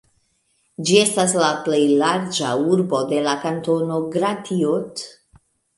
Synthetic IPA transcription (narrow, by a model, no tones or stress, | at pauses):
d͡ʒie̞stas̬laplejlaɾd͡ʒa̰uɾbo̞de̞lakanto̞no̞ɡɾatʰiot